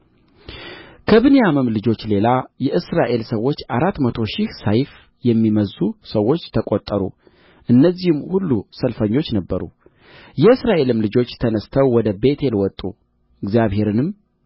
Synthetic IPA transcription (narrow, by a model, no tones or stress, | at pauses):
kʰəβɨnejamɨmlɨd͡ʒo̞t͡ʃːle̞lajɛʔɨsɾaʔe̞lsəwːo̞t͡ʃːaɾat̪ːmət̪ʰo̞ʃɪhsajf | jɛmːiməzusəwːo̞t͡ʃːt̪ʰəkʼot̪ʼːəɾṵ | ʔɨnːəzːihɨmːhulːusəlfəɲːo̞t͡ʃːnəbːəɾṵ | jɛɨsɾaʔe̞lɨmlɨd͡ʒo̞t͡ʃːt̪ʰənəst̪ʰəwːɔd̪əbe̞t̪ʰe̞lwɔt̪ʼːu | ɨɡzijaβhe̞ɾɨnɨm